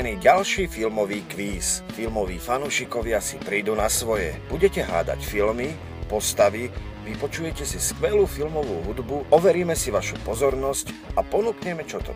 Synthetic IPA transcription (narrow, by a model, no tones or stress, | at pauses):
niːɟalʃiːfilmɔʋiːkʋiːsfilmɔʋiːfanuːʃikɔʋɪasipɾiːd̪unasʋɔjɛ̰b̥uɟɛcɛɦa̰ːd̪a̰cfilmi | pɔst̪aʋiʋipɔt͡ʃujɛcɛsiskʋɛluːfilmɔʋuːɦud̪buʔɔʋɛɾiːmɛsiʋaʃupɔzɔɾnɔscapɔnukɲɛmɛt͡ʃɔt̪ɔ̰